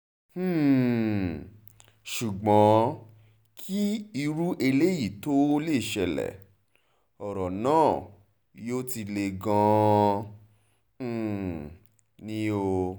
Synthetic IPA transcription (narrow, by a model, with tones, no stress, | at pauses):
ʃu˨ɡ͡bɔ̃˨˦ | kʰi˦i˧ɾu˦ʔe˧le˦ji˦˨to˦o˦le˦˨ʃɛ˧lɛ̰˨ | ɔ˨ɾɔ˨nãː˦˨ | jo˦ti˧le˧ɡã˧˨ | nĩ˦o˧